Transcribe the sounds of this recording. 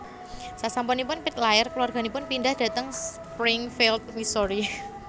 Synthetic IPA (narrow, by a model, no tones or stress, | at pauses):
sasampɔnipʊnpɪt̪̚laɪrkəluarɡ̥a̤nipʊnpindahd̥a̤t̪əŋs | pɾɪŋfilt̪̚misɔɾi